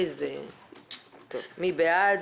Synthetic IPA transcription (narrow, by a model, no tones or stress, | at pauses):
ze | tovmibea